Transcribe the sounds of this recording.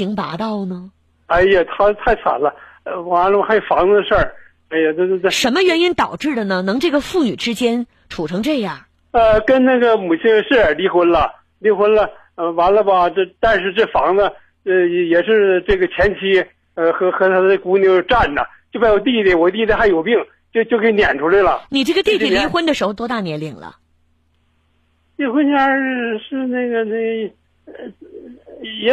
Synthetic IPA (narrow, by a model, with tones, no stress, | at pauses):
i˧˥ŋp̪a̰˧˥t̪ɑ˥˩ʊnə˩ | a˥˩ɪə˨˩t̪ʰa˥˧t̪ʰa˥˩ɪt͡sʰa̰˨˩nlə˧ | ə˧wa˧˥nlə˧bxa˧˥jo˨˩fɑ˧˥ŋd̪ə˧ʂə˥˩ | a˧˥ɪjə˧t̪t̪ʂə˧˥nmə˧ɥɛ˧˥ni˥nt̪ɑ˨˩ʊʈ͡ʂɻ̩˥˩d̪ə˩nə˩nɤ˧˥ŋʈ͡ʂɤ˥˩ɡə˩fu˥˩ny̰˨˩ʈ͡ʂɻ̩˥t͡ɕjɛ˥n | ʈ͡ʂʰu˨˩ʈ͡ʂʰɤ˧˥ŋʈ͡ʂɤ˥˧ja˥˩ | ə˧kə˥nna˥˩ɡə˩mu˨˩t͡ɕʰi˥ŋə˧ʂ̩˥˩ə˨˩li˧˥xwə˧˥nlə˧˨ | li˧˥xwə˧˥nlə˧ | ə˧wa˧˥nlə˧bɐ˧˥˧t̪a˥˧nʂɻ̩˥˧ʈ͡ʂɤ˥˩fɑ˧˥ŋnə˧˥˧ | jɛ˨˩ʂɻ̩˥˧ʈ͡ʂɤ˥˩ɡə˩t͡ɕʰjɛ˧˥nt͡ɕʰi˧˥ | ə˧xɤ˧˥xɤ˧˥t̪ʰa˥d̪ə˧ku˧˥njo˧˥˩ʈ͡ʂa˥˩nd̪ə̰˩t͡ɕjpa˥ɪwɔ˨˩t̪i˥˩d̪ə˧˩wɔ˨˩˦t̪̬i˥˧˩d̪ə˧xa˥˩ɪjo˨˩ʊpi˥˩ŋ | t͡ɕjo˥˧t͡ɕjo˥˩ʊkʰə˧˥˧njɛ̰˨˩nʈ͡ʂʰu˧˥le˧˩ɪlə˩ni˨˩ʈ͡ʂɤ˥˩ɡə˩t̪i˥˩i˩li˧˥xwə˧˥nd̪ə˨ʂɻ̩˧˥xo˧t̪wɔ˥t̪a˥˩njɛ˧˥nli˥˩˦ŋlə̰˩ | li˥˩xwə˥nt͡ɕja˥˩ʂɻ̩˥˧na˥˩ɡə˩na˥˩ɡə˩ | ɛ˧˥